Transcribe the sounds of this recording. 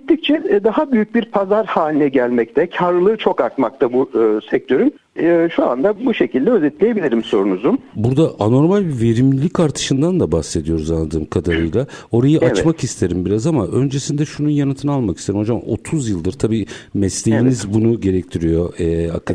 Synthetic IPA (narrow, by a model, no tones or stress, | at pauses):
it̪ʰːic̚t͡ʃʰɛd̪aɦabyjyc̚biɾpʰazaɾhaːlʲinɛɟælʲmɛc̚t̪ʰɛcʰaɾlɯlˠɯːt͡ʃʰo̞kaɾt̪mak̚t̪ʰabusɛc̚t̪ʰø̞ɾym | ʃua̰nd̪abuʃe̞cʰilʲd̪ɛøzɛt̪lʲeje̞bilʲiɾimso̞ɾunuzumbuɾd̪aʔano̞ɾmalʲbive̞ɾimlʲicʰaɾt̪ʰɯ̥ʃɯnd̪and̪abaxse̞d̪ijo̞ɾuzanlˠad̪ɯːmkʰad̪aɾɯjlˠao̞ɾajɯʔavt͡ʃmakist̪ʰe̞ɾimbiɾazamaʔø̞nd͡ʒe̞sind̪ɛʃununjanɯt̪ʰɯnalˠmaki̥seɾimo̞d͡ʒamo̞̰t̪ʰuzjɯlˠd̪ɯɾt̪ʰabiːmɛslʲejinizbunuɟe̞ɾɛct̪ʰiɾijo̞ɛa̰kʰːa